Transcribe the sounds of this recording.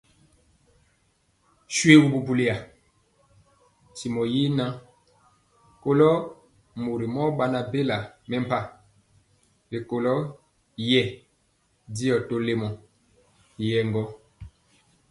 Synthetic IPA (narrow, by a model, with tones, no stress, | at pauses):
ʃwe˦wu˨bu˨bu˨li˨a˨ | ti˨mɔ˨ji˦na˦ | ko˦lɔ˦ | mo˨ɾi˨mɔ˦ba˦na˨be˦la˨mɛ˦m˨pa˦ | be˨ko˨lɔ˦ | jɛ˦˨ | di˦ɔ˨to˦le˦mɔ˨ | jɛ˨ŋɡɔ˦